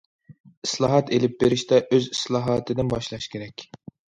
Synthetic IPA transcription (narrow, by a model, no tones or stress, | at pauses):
i̥slˠɑːɦɑt̪elɪp̚beɾɪʃt̪ʰɛʔøzislˠɑːɦɑt̪ʰɨd̪ɪnbɑʃlˠɑʃkʲʰeɾɛkʲ